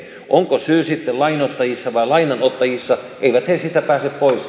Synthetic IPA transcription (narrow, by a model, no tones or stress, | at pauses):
ʔoŋkosyːsit̪ːelɑinot̪ːɑjisːɑʋɑilɑinɑnot̪ːɑjisːɑ | ʔeiʋæt̪hesit̪æpæːseppois